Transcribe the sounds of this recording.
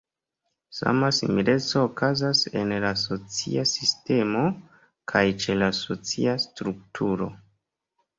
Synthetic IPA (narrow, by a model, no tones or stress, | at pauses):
sa̰masḭmile̞t͡so̞ːkazase̞̰nlaso̞t͡sḭasiste̞mo | kʰajt͡ʃe̞lasot͡siastɾuk̚tʰuɾo̞̰